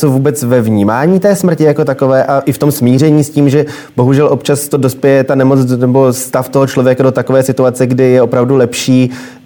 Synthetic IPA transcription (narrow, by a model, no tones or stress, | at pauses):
sovuːbɛt͡svɛvɲiːmaːɲiːt̪ɛːsmr̩cɪjako̞t̪ako̞vɛːʔaʔɪft̪o̞msmiːr̝ɛɲiːsciːmʒɛ | b̥o̞ɦuʒɛlʔo̞pt͡ʃast̪odo̞spjɛjɛt̪anɛmo̞t͡snɛbo̞st̪aft̪o̞ɦot͡ʃlovjɛkado̞t̪ako̞vɛːsɪt̪uat͡sɛɡdɪjɛo̞pɾavdulɛpʃiː